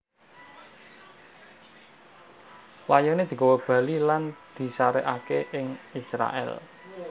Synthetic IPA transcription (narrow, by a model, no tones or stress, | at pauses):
lajɔned̪̥i̤kowɔb̥ä̤liland̪̥i̤saɾɛʔakeʔɪŋisɾa̰ʔɛ̰l